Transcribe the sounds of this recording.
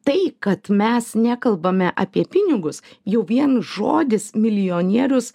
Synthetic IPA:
t̪ɐɪkɐt̪mʲɛsnʲæːkɐlˠbɐmʲɛʔɐ̰pʲiɛpʲɪnʲɪɡʊsjɛʊʋʲiɛnʒo̰ːd̪ʲɪsmʲɪlʲɪjoːnʲiɛɾʲʊs

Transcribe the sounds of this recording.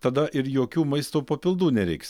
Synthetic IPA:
t̪ɐd̪ɐʔɪɾjoːkʲuːmɐɪst̪oːpɐpʲɪlˠd̪uːnʲɛɾʲɛɪks

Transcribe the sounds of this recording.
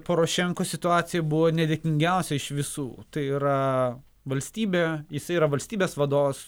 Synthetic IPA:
poːɾoːʃʲɛŋkoːsʲɪt̪ʊɑːt̪sʲɪjɛbʊʋoːnʲɛd̪ʲekʲɪŋʲɡʲɛʊsʲɛɪʃʋʲɪsṵːt̪ɐɪiɾɐ | ʋɐlʲsʲt̪ʲiːbʲeːjɪsɐɪiɾɐʋɐlʲsʲt̪ʲiːbʲeːsʋɐd̪oːʋos

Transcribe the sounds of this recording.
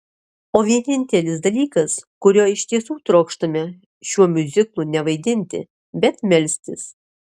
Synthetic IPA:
oːʋʲiɛnʲɪnʲt̪ʲɛlʲɪsd̪ɐlʲiːkɐskʊɾʲoːɪʃt̪ʲiɛsuːt̪ɾoːkʃt̪ɐmʲɛ | ʃʲuɔmʲʊzʲɪklˠuːnʲɛʋɐɪd̪ʲɪnʲt̪ʲɪ̰ | bʲɛt̪mʲɛlʲsʲt̪ʲɪs

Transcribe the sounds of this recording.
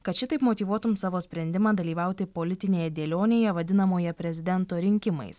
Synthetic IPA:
kɐt̪ʃʲɪt̪ɐɪpmoːt̪ʲiːʋuɔt̪ʊmsɑːʋoːsʲpʲɾʲɛnʲd̪ʲɪmɑːd̪ɐlʲiːʋɑˑʊt̪ʲɪpoːlʲɪt̪ʲɪnʲeːjɛd̪ʲeːlʲoːnʲeːjɛʋɐd̪ʲɪnɐmoːjɛpʲɾʲɛzʲɪd̪ʲɛnt̪oːɾʲɪŋʲkʲɪmɐ̰ɪs

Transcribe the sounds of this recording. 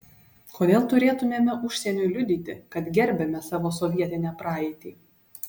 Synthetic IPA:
kʰoːd̪ʲeːlˠt̪ʊɾʲeːt̪ʊmʲeːmʲɛʔʊʃʲsʲɛnʲʊlʲʊd̪ʲiːt̪ʲɪ̰kɐt̪ɡʲɛɾʲbʲɛmʲɛsɑːʋoːsɔʋʲiɛt̪ʲɪnʲɛpɾɑːɛɪt̪ʲiː

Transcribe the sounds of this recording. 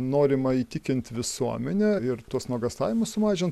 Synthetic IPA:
noːɾʲɪmɐiːt̪ʲɪkʲɪnʲt̪ʲʋʲɪsuɔmʲɛnʲɛɪɾt̪uɔsnuɔɡɐst̪ɑ̰ːʋʲɪmʊssʊmɑːʒʲɪnt̪

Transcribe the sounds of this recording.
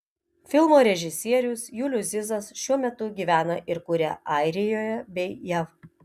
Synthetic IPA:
fʲɪlˠmoːɾʲɛʒʲɪsʲiɛɾʲʊsjuːlʲʊsʲɪzɐsʃʲuɔmʲɛt̪ʊɡʲiːʋʲæːnɐʔɪɾkʊɾʲɛʔɑˑɪɾʲɪjoːjɛbʲɛɪjæʋ

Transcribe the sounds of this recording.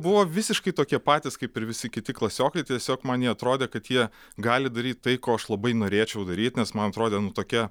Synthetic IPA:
bʊʋoːʋʲɪsʲɪʃkɐɪt̪oːkʲiɛpɑːt̪ʲɪskɐɪpɪɾʋʲɪsʲɪkʲɪt̪ʲɪklˠɐsʲoːkɐɪt̪ʲiɛsʲoːkmɐnjiɛɐt̪ɾoːd̪ʲeːkɐt̪jiɛ | ɡɑːlʲɪd̪ɐɾʲiːt̪̚ʲt̪ɐɪkoːɐʃlˠɐbɐɪnoːɾʲeːt͡ʃʲɛʊd̪ɐɾʲiːt̪ʲnʲɛsmɐnɐt̪ɾoːd̪ʲeːnʊt̪oːkʲɛ

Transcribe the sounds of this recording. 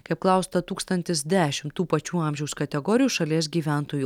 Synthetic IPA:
kɐɪppklˠɐˑʊst̪ɐt̪uːkst̪ɐnʲt̪ʲɪsd̪ʲæːʃʲɪmt̪uːpɐt͡ʃʲuːɑːˑmʲʒʲɛʊskɐt̪ʲɛɡɔːɾʲɪjuːʃɐlʲiɛs̬ɡʲiːʋʲæˑnt̪oːjuːˑ

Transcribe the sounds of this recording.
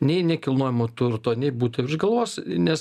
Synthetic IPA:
nʲɛɪnʲɛkʲɪlˠnoːjʲɪmoːt̪ʊrt̪oːnʲɛɪbuːt̪ɐɪʒɡɐlˠʋoːsʲnʲɛs

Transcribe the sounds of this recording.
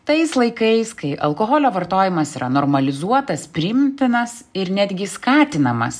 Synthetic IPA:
t̪ɐɪslˠɐɪkɐɪskɐɪʔɐ̰lˠkoɦoːlʲoːʋɐɾt̪oːjɪmɐsiːɾɐnoːɾmɐlʲɪzuɔt̪ɐspʲɾʲɪmʲt̪ʲɪnɐsɪɾnʲæd̪ʲɡʲɪskɑːt̪ʲɪnɐmɐ̰s

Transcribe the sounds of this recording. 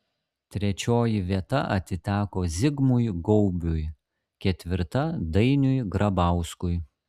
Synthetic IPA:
t̪ʲɾʲɛt͡ʃʲoːjɪʋʲiɛt̪ɐʔɐ̰t̪ʲɪt̪ʲæːkoːzʲɪɡmʊjɡɔʊbʲʊj | kʲɛt̪ʲʋʲɪɾt̪ɐd̪ɐɪnʲʊjɡɾɐbɑˑʊskʊj

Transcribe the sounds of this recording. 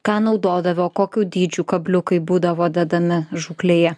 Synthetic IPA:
kɑːnɒʊd̪oːd̪ɐʋʲoːkoːkʲuːd̪ʲiːd͡ʒʲuːkɐbʲlʲʊkɐɪbuːd̪ɐʋoːd̪ʲɛd̪ɐmʲɪʒuːklʲeːjɛ

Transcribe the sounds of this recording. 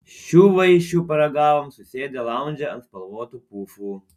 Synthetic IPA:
ʃuʋɐjiʃupɐɾɐɡaːʋɐmsusʲeːd̪ʲɐlˠawnʲd͡ʒɐɐ̰nspɐlˠwoːt̪upuːfu

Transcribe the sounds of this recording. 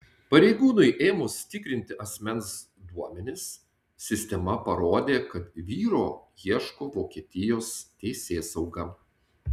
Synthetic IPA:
pɐɾʲɛɪɡuːnʊɪʔeːmʊsʲt̪ʲɪkɾʲɪnʲt̪ʲɪɐsʲmʲɛns | d̪uɔmʲɛnʲɪsːʲ | ɪsʲt̪ʲɛmɐpɐɾoːd̪ʲeːkɐt̪ʋʲiːɾoːjiɛʃkoːʋoːkʲiɛt̪ʲɪjoːst̪ʲɛɪsʲeːsɐʊɡɐ

